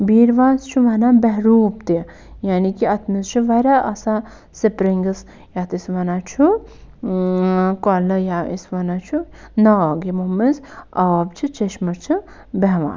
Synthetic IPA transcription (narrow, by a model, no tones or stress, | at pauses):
biːɾʋaːzt͡ʃʰuʋɐnabɛɦɾuːpt̪i | jaːnikiɐt̪ʰmizt͡ʃʰuʋɐɾʲaʔɐsa | sipɾiŋɡɐs | jat̪isʋɐnat͡ʃʰu | kɔlɐjaḭsʋɐnat͡ʃʰu | nɐɡimuːminsɐɐbt͡ʃʰit͡ʃeʃmɐɾt͡ʃʰi | bɛɦʋa̰ːn